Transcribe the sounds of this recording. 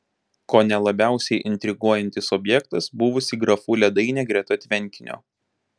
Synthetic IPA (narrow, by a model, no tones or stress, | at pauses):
koːnʲɛlˠɐbʲæˑʊsʲɛɪʔɪnʲt̪ʲɾʲɪɡuɔjɛnʲt̪ʲɪsɔbʲjɛkt̪ɐsbuʋʊsʲiːɡɾɐfuːlʲɛd̪ɐɪnʲɛːɡɾʲɛt̪ɐt̪ʲʋʲɛnʲˑkʲɪnʲo̰ː